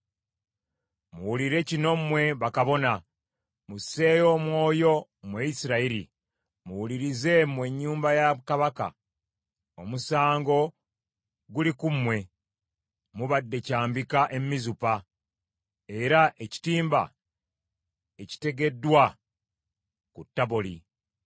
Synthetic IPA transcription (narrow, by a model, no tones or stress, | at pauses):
muwuliɾe̞cino̞mwe̞βakaβo̞na | muse̞ːjo̞mwo̞ːjo̞mweisiɾaiɾḭ | muwuliɾize̞mwe̞ɲːuːmbajakaβaka̰ | o̞musaːŋɡo̞ | ɡulikumwe̞ | muβadːe̞caːmbikaʔe̞mmizupa | e̞ɾaʔe̞ci̥tiːmba̰ | e̞ci̥te̞ɡe̞dːwa | kutːaβoli